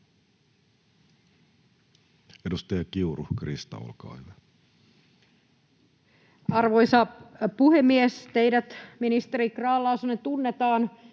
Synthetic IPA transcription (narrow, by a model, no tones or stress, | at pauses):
edust̪ɑjɑkiuruhkrist̪ɑ̰o̰lkɑ̰iʋæ | ɑrʋojsɑpuhemːiest̪ejdæt̪minist̪eɾikrɑːlːɑːsɑnːet̪unːet̪ɑːn